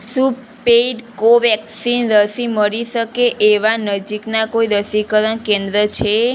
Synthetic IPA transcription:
supːeɖkoʋɛksinɾəsiməɾiʃəkeʔeʋanəd͡ʒiknakoiɾəsikəɾənkẽnd̪ɾət͡ʃʰe

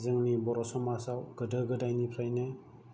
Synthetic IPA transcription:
zɯŋnibɔɾɔsɔmasawɡədəɡədajnipʰɾajne

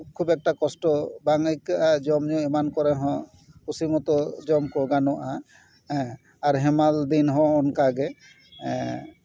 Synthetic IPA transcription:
kʰubɛk̚ʈakɔsʈɔbaŋikʔad͡ʒɔmd͡ʒɔemankɔɾɛɦɔ̃ | usimɔt̪ɔd͡ʒɔmkɔɡanɔʔa | ɛ | aɾɦɛmald̪inɦɔ̃ɔnkaɡɛ̃

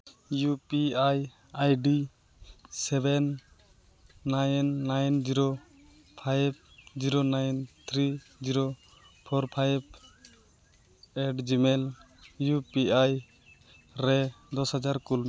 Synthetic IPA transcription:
jupiaj | ajɖi | sɛbɛn | ajnːajnd͡ʒiɾo | pʰajb̚d͡ʒiɾonajnt̪ʰɾi | d͡ʒiɾo | pʰɔɾpʰajb̚ | ɛɖd͡ʒimɛl | jupiaj | ɾɛ | d̪ɔshad͡ʒaɾkulm

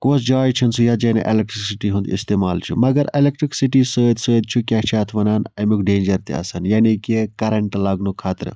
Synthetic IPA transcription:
koːsd͡ʒaːjt͡ʃʰinsujad͡ʒɐnḛʔelek̚ʈɾiksiʈiɦũnd̪ist̪eːmaːlt͡ʃʰumɐɡɐɾelek̚ʈɾiksiʈiːsəːd̪səːd̪̚t͡ʃʰukʲaːt͡ʃʰaːt̪ʰʋɐnaːnɐmukʰɖeːnd͡ʒɐɾt̪ḛɐ̰sɐnjaːnikekɐɾɐɳʈlɐɡnukʰaːt̪ɾ

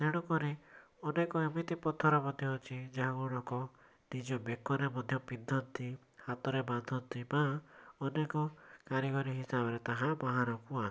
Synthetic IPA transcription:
seɽ̃ɔkɔɾe | ɔnekɔemit̪ipɔt̪ʰɔɾamɔd̪ʱjɔɔt͡ʃʰid͡ʒaɦaɡuɽ̃ɔkɔ | nid͡ʒɔbekːɔɾemɔd̪ʱjɔpid̪ʱːɔnt̪i | hat̪ɔɾeband̪ʱɔnt̪ibaɔnekɔkaɾiɡɔɾiɦisabɔɾet̪aɦãbaɦaɾɔkua

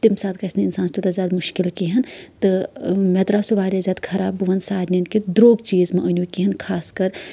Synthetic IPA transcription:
t̪imsaːd̪̚kɐsnɐɪnsãːnst̪ut̪azʲjaːd̪mʊʃkɪlkiɦɐnt̪ɨmɛt̪ɾasuʋaːɾʲjazʲjaːd̪kʰɐɾaːbɨʋɐnsaːɾnɐnkid̪ɾoːɡt͡ʃiːzmẽʔɐnʲukiɦɐnkʰaːskɐɾ

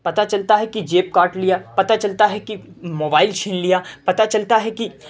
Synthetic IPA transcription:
pɐt̪at͡ʃɐlt̪aɦɛkid͡ʒeːp̚kaːɾʈlijapɐt̪at͡ʃɐlt̪aɦɛki | moːbaːɪlt͡ʃʰɪnlijapɐt̪at͡ʃɐlt̪aɦɛki

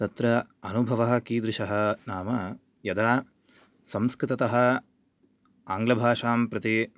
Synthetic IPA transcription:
t̪ɐt̪ɾɐɐnubʱɐʋɐɦɐ̆kiːd̪ɾɪʃɐɦɐnaːmɐ | jɐd̪aː | sɐmskɾɪt̪ɐt̪ɐɦɐ̆ | aːŋɡlɐbʱaːʂaːmpɾɐt̪i

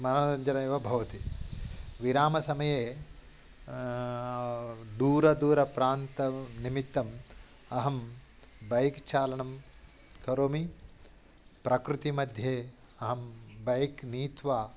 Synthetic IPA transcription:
mɐnɐɐɲd͡ʒɐɾɐeːʋɐbʱɐʋɐt̪i | ʋiɾaːmɐsɐmɐjeː | d̪uːɾɐd̪uːɾɐpɾaːnt̪ɐnimit̪ːɐm | ɐɦɐmbɐjkt͡ʃaːlɐɳɐm | kɐɾoːmi | pɾɐkɾut̪imɐd̪ʱjeː | ɐɦɐmbɐjkniːt̪ʋaː

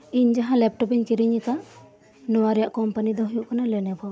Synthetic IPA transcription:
iɲd͡ʒaɦãlɛp̚ʈɔpiɲkiɾiɲikaʔ | nɔwaɾɛjaʔkɔmpanid̪ɔɦujuʔkanalɛnɛba

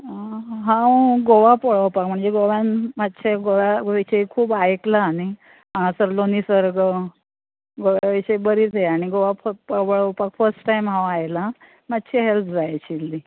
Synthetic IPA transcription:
ɦãwɡoʋapəɭəwpak̚m̤əɳd͡zeɡoʋjanmat̪ːɕʰeɡoʋjaʋiɕəjkʰuːbajeklaːñi | ɦãsəɾlonisəɾɡə | ɡoʋjaʋiɕjbəɾiːt͡seaɽ̃iɡoʋafpəəɭəwpakfəɾsʈːajmɦãwajla | mat̪ːɕʰiɦelp̪̚ʰd͡zajat͡ɕilːi

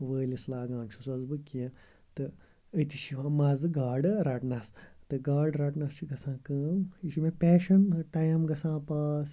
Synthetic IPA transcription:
ʋəːlislaːɡãːnt͡ʃʰusɐzbɨkiɐ̃ | t̪ɨ | ɐt̪iʃiʋamazɨɡaːɖɨɾaʈnast̪ɨɡaːɖɾaʈnɐst͡ʃʰiɡɐsãːkɐːmiʃimẽpʲeːʃɐnʈajɐmɡɐsãːpaːs

